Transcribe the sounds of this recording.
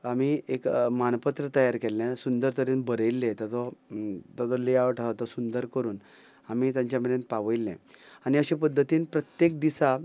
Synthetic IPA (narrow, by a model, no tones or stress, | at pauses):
amiekmanpat̪ɾət̪əjaɾkɛlːɛ̃sund̪əɾt̪əɾeːnbəɾəjlːẽt̪ət̪ɔt̪ɔd̪ɔleaʋʈʰat̪ɔsund̪əɾkəɾuːn | amiːt̪jãɲt͡ɕaməɾenpaʋəjlːɛ̰̃aniəɕẽpəd̪ʱːət̪iːnpɾət̪jek̚d̪isa